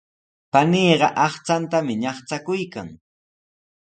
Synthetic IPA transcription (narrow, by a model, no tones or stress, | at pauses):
paniːɢɑʔɑχt͡sant̪amɪɲɑχt͡sakʊjkaŋ